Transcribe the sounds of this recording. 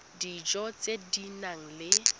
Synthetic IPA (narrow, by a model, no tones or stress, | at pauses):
did͡ʒɔt͡sʼedinaŋ̩lɪ